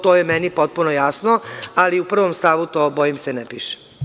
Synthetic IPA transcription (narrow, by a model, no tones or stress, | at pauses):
t̪oːjemɛnipot̪̚punojasnoaliupr̩ʋomst̪aʋut̪oːbojimsenɛpiːʃe̥